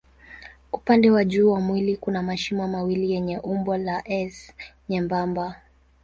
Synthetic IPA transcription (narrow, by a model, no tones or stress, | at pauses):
upandɛwaʄuːwamwilikunamaʃimamawilijɛɲɛʔumbwalaʔɛsɲɛmbamba